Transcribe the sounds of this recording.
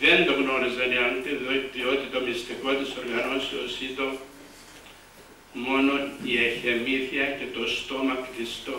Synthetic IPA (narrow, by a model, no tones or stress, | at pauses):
ðe̞nd̪oɣno̞ɾizɐniɐnt̪eðoðio̞t̪it̪o̞mist̪iko̞t̪iso̞ɾɣɐno̞siosit̪o | mo̞no̞nieçe̞miθiɐce̞t̪o̞st̪o̞mɐkt̪ist̪o